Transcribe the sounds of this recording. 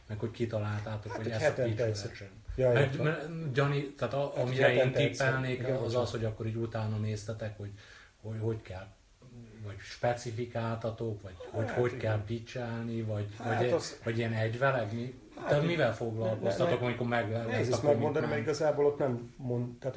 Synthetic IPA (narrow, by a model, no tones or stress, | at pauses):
mɛkho̞ckit̪ɒlaːlt̪aːt̪okhoɛsit͡ʃɛt͡ʃɛ | jmɛmɛɟɒnit̪aːt̪ɒɒmmiɾɛeːnt̪ipːɛlneːkɒzɒsho̞ɟɒkːoɾiːɟut̪aːnɒneːst̪ɛt̪ɛkho̞ɟ | hoho̞ckɛl | vɒɟʃpɛt̪sifikaːlt̪ɒt̪o̞kʋɒɟho̞ɟho̞ckɛlbit͡ʃɛlnivɒɟvɒvɒɟiɛnɛɟvɛlɛkmi | t̪ɛmivɛlfo̞ɡlɒlkosɒt̪okɒmiko̞ɾmɛɡlɛlɛzɒmɛmond̪ɔnimɛɾiiɡɒzaːbolot̪nɛmːont̪aːt̪